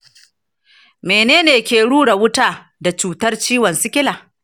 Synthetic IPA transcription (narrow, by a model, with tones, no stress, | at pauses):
meː˨neː˦neː˨kʲeː˨ɽuː˦ɽa˨wʊ˦taː˦ | da˨t͡ʃuː˨tɐ˦rt͡ʃiː˦wɐ˨nsɪ˦kʲɪ˦laː˨